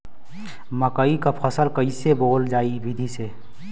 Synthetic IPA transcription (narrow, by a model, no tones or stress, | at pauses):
məkəikapʰəsəlkəiseboːld͡ʒaːiʋɪd̪ʱise